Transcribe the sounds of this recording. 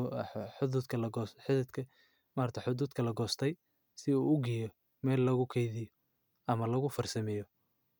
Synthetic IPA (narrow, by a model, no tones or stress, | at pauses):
ħʊðuːd̪kʰɐlɐɡɔħɪðɐd̪kʰɐ | maːrt̪ʰɐħʊðuːd̪kʰɐlɐɡɔːst̪ʰɛj | sɪuːʊɡijɔ | mɛːlːɐɣʊkʰɛjðɪjɔ | ɐmɐlɐɣʊfɐrsɐmɛjɔ